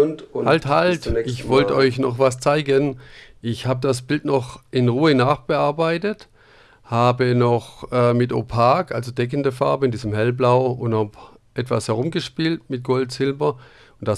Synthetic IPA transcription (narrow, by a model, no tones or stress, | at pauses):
halthaltɪçvɔltɔʏçnɔχvast͡saɪɡənʔɪçhaːbədas̬b̥ɪltnɔχʔɪnʁuːənaːχb̥əaɐbaɪtət | haːbənɔχʔɛːmɪto̰pʰaːkʔalzodɛk̬əndəfa̰ɐbəɪndiːzəmɦɛlblaʊʊnthap | ʔɛtv̥ashɛʁʊmɡəʃpiːltmɪt̚ɡ̥ɔltz̥ɪlbɐ | ʊntd̥as